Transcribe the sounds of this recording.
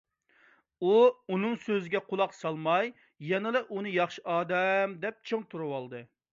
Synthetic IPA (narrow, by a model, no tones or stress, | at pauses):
uunɨŋsøzɪɡʲɛqʰʊlˠɑqsɑlˠmɑj | jɛnɪlɪʔunɨjɑχʃiʔɑːd̪ɛmd̪ɛp̚t͡ʃʰøŋt̪ʰuɾuwɑlˠd̪ɨ